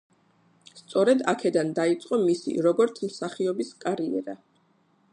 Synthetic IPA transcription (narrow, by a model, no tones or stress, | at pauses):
st̪sʼɔɾɛd̪akʰɛd̪and̪ait̪sʼqʼɔmisḭɾɔɡɔɾt̪sʰmsaχiɔbiskʼaɾiɛ̰ɾa